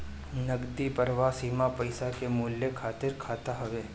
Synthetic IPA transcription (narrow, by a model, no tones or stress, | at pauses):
nɐɡd̪ipɐɾʋasiːmapɐɪsakemuːljekʰaːt̪ɪɾkʰaːt̪aɦɐʋeː